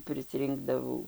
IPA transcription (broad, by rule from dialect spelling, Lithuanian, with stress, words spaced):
pʲrʲɪsʲˈrʲɪŋɡdɐʋɐʊ